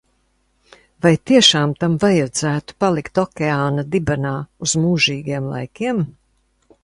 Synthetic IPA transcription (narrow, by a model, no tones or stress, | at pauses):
vajt̪iɛʃaːmt̪amvajad̪z̥æːt̪u̥palˠikt̪ɔkʲeaːnad̪ibanaːuz̥muːʒiːɡiɛmlˠa̰jkʲiɛm